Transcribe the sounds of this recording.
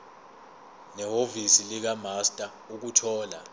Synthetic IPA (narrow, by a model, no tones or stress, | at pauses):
nɛɦovisilik̬amastʼa | uk̬utʰɔːla